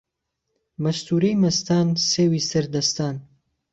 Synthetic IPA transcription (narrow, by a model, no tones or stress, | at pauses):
mɐst̪ʰuːɾejmɐst̪aːnseːwiːsɐɾd̪ɐst̪aːn